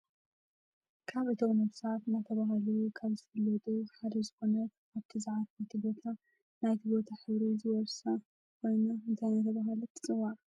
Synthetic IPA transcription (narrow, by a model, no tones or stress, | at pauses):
kʰaβʔɨt̪ʰomnɐβsat̪nat̪ʰɐβaɦɐlukʰaβzɨfɐlːɐt̪ʼuħad̪ɐzɨxo̞nɐ | aβt̪ʰizaʕat̪najt̪ʰibo̞t̪ʰa | najt̪ʰibo̞t̪ʰaħɨβɾizɨwɔɾsɐ | kʰo̞jnaɨnt̪ʰajnat̪ʰɐβaɦɐlut̪ʰːɨ̥t͡sʼɨwːaɾ